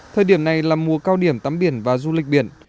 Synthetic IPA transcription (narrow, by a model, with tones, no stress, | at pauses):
t̪ʰəː˨˩jɗi˧˩əmna˨˩jlaː˨˩mu˨˩əkaː˧wɗi˧˩əmt̪aː˨˦mɓi˧˩ənvaː˨˩zu˧lï˨˩k̟̚ɓḭ˧˩ən